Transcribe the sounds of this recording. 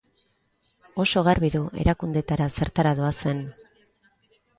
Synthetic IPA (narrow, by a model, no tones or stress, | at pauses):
o̞so̞ɣarβiðuʔe̞̰ɾakund̪e̞t̪aɾase̞ɾt̪aɾaðo̞ase̞n